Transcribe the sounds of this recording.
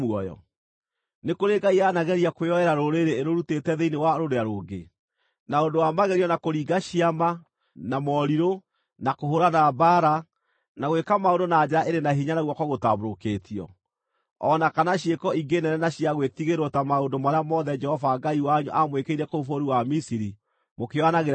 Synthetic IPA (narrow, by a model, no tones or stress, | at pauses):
muɔjɔ̰ | nekoɾeɡaianaɣɛɾiakweɔɛɾaɾoɾeɾeːɾoɾutetɛðeinewaɾoɾejaɾoːɡḛ | naondowamaɣɛɾiɔnakoɾiːɡaɕiama | namɔɾiɾo | nakoɦoɾanabaɾa | naɣwekamaondonad͡ʒeɾaʔeɾenaɦiɲanaɣwɔkɔɣota̰βoɾokeːtʰiɔ̰ | ɔnakanaɕiekɔiɡenɛnɛnaɕiaɣwetiɣeɾwɔtamaondomaɾeamɔðɛd͡ʒɛhɔvaɡaiwaɲo̰ʔamwekeiɾɛkoufoɾiwamisiɾi | mokeɔanaɣeɾ